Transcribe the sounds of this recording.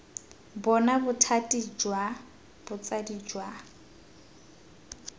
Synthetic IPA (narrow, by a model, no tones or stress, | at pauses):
bɔnabʊtʰatʼid͡ʒwa | b̥ʊt͡sʼadid͡ʒwa